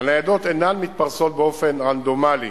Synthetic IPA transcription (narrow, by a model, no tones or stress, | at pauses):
anajad̪o̞t̪enanmit̪̚paʁso̞t̪̚beofe̞nʁand̪o̞mali